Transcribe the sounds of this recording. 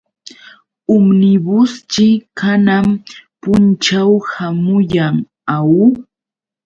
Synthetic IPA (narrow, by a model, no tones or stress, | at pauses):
ʊmnɪbʊst͡ʃɪkanampʊnt͡ʃawhamʊjaŋ | aw